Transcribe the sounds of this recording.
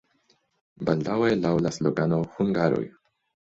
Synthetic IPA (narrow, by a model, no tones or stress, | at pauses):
bald̪awelawlasloɡanohuŋɡaɾo̰j